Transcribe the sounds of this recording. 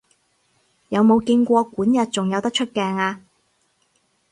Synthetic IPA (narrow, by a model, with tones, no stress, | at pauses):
jɐ˨˧wmo˨˧wkɪ˧ŋkʷɔː˧kʷuː˨˥njɐ˨t̚t͡sʊ˨ŋjɐ˨˧wt̪ɐ˥t͡ʃʰɵ˥t̚kɛː˧ŋaː˧